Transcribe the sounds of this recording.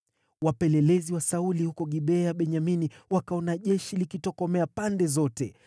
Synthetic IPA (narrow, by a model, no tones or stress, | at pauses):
wapɛlɛlɛziwasaulihukɔɠiɓɛaɓɛɲaminiwakaɔnaʄɛʃilikitɔkɔmɛapandɛzɔtɛ